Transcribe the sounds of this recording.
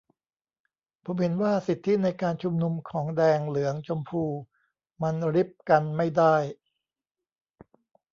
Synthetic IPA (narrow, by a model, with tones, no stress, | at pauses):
pʰo˩˦mhe˩˦nwaː˥˩si˨˩t̪ʰːi˦˥na˧jkaː˧nt͡ɕʰu˧mnu˧mkʰɔː˩˦ŋdɛː˧ŋlɯ˩˦ɐŋt͡ɕʰo˧mpʰuː˧ | ma˧nɾi˦˥p̚ka˧nma˥˩jdaː˥˩j